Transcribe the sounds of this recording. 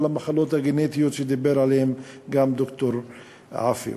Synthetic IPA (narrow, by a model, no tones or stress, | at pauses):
lamaχalo̞t̪haɡenet̪ijot̪ʃejd̪ibeɾʕalehemɡamd̪okt̪oɾ | ʕa̰fḭ